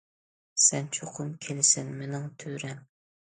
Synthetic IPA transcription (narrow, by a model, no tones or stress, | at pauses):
sɛnt͡ʃʰoqʰʊmkʲʰelɪsɪnmenɪŋt̪ʰøɾɛŋ